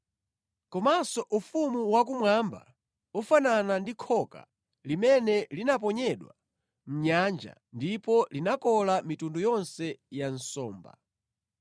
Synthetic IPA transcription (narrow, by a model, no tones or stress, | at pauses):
kɔmasɔʔufumuwak̬umwamba̰ | ufananandikʰɔka̰ | limɛnɛlinap̬ɔɲɛɗwa̰ | m̩ɲand͡ʒa̰ | ndipɔlinakɔlamitundujɔnsɛjan̩sɔːmba̰